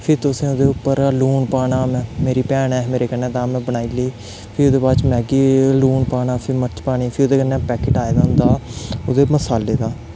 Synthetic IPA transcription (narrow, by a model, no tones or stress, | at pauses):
pʰɪɾt̪ʊsẽːod̪eːʊpːəɾluːɳpaːɳaːmɛ̃ːmeːɾiːpɛːɳɛːmeːɾeːkənːẽːt̪aːmɛ̃ːbənaːiːliː | pʰɪɾʊd̪eːbaːt͡ʃmɛ̃ːɡiːluːɳpaːɳaːpʰɪɾmət͡ʃpaːɽ̃iːpʰɪɾod̪eːkənːɛ̃ːpɛːkɪʈaːed̪aːɦʊ̃nd̪aːod̪eːməsaːleːd̪aː